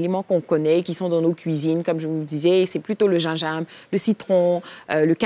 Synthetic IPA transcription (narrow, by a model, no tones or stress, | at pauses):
lemɑ̃kɔ̃kɔnɛekʲisɔ̃d̪ɑ̃nokʲɥizinkɔmʒəvud̪izɛsɛplyt̪oləʒɛ̃ʒamləsit̪χɔ̃øləkɛ̃